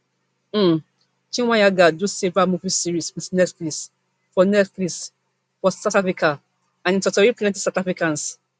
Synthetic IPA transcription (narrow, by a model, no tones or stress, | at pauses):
m̩ | t͡ʃĩwãjaɡadusevamuvisiɹiswitnɛtklis | fɔnɛtklis | fɔsatafɹika | ãnĩntɔtɔɹiplɛ̃nti̥satafɹikãns